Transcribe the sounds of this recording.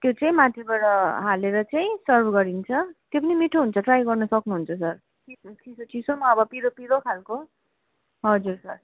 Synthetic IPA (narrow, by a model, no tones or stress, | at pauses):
t̪jot͡saĩmat̪ʰebaɽʌɦaleɾʌt͡saĩsʌrbʱɡʌɾint͡sʰʌt̪jop̬ʌnimiʈʰoɦunt͡sʰʌʈrajɡʌrnʌsʌknuɦunt͡sʰʌsʌr | kʰikʰisot͡sisomaʌbʌpiɾopiɾokʰalko | ɦʌd͡zursʌr